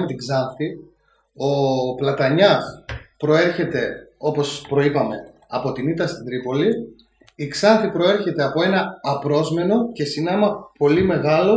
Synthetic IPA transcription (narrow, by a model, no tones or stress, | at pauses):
met̪iɡzɐnθi | o̞plɐt̪ɐɲɐspɾo̞e̞ɾçe̞t̪e̞o̞po̞spɾo̞ipɐme̞ | ɐpo̞t̪init̪ɐst̪it̪ɾipo̞li | iɡz̥ɐnθipɾo̞e̞ɾçe̞t̪e̞ɐpo̞e̞nɐːpɾo̞zme̞no̞ce̞sinɐmɐpo̞lime̞ɣɐlo̞